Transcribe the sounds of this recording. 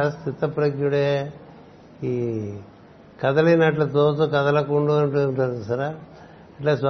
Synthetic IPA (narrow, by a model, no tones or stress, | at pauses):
st̪it̪ːɐpɾɐɡjuɽe | iː | kɐd̪ɐlinaːʈlɐt̪oːsukɐd̪ɐlɐkuɳɖuɐɳʈuɳʈaɾusɐɾa | ɐʈlaːsa